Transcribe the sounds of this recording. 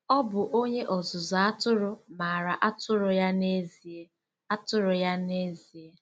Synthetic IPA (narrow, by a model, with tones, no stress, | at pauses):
ɔ˦bʊ˨ʔo˦ɲe˦ʔɔ˨zʊ˨zɔ˨a˦tʊ˦ɾʊ˦ma˨a˨ɾa˨ʔa˦tʊ˦ɾʊ˨ja˦ne˦zi˨e˦ | a˦tʊ˦ɾʊ˨ja˦ne˦zi˨e˦